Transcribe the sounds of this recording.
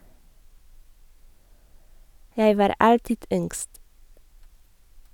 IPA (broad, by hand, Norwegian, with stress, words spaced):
ˈjæɪ ˈʋɑːɾ ˈɑltɪd ˈʏŋɡst